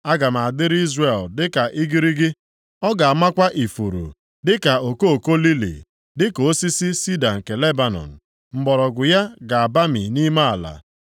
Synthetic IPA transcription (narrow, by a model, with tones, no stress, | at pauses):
a˦ɡa˨m˨a˨a˨dɪ˦ɾi˦zre˨ldɪ˦ka˨ʔi˦ɡi˦ɾi˦ɡɪ˦ | ɔ˦ɡa˨a˨ma˦kʷa˦ʔi˨fu˨ɾṵ˨ | dɪ˦ka˨o˨ko˦o˨ko˦li˦lḭ˨ | dɪ˦ko˨o˦si˦si˦si˦da˨ŋ̩˨ke˨le˦ba˨nɔ̰˨n̩˨ | m̩˨ɡ͡bɔ˨ɾɔ˨ɡʊ˨ja˦ɡa˨a˨ba˦mḭ˨ni˦ma˦a˨la̰˨